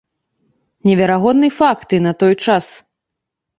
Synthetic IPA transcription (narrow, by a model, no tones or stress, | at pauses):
nʲɛvʲɛɾaɣɔd̪nɨfakt̪ɨnɐt̪ɔjt͡ʂas